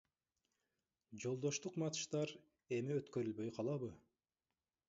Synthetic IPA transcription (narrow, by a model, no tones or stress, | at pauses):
d͡ʒo̞lˠd̪o̞ʃt̪uqmɑt̪ɯ̥ʃt̪ɑɾ | e̞miøt̪kø̞ɾylβø̞jqʰɑlˠɑβɯ